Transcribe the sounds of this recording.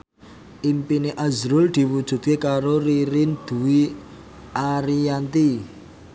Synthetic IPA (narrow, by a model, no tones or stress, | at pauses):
ʔimpineʔazɾʊld̪̥i̤wud̥ʒ̥ṳt̪̚kekaɾoriɾɪnd̪̥ṳwi | aɾiant̪i